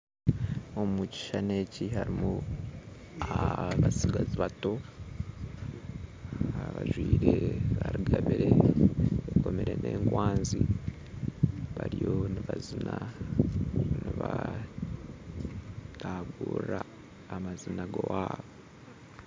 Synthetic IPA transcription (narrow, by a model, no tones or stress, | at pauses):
omuci̥ʃane̞cihaɾimu | aβasiɡaziβato̞ | aβaʒwiːɾeβaɾiɡaβiɾe | eko̞meɾe̞nʔe̞ːŋɡwaːnzi | βaɾijoniβazina | niβa | taɡuːraː | mazinaɡowaːβo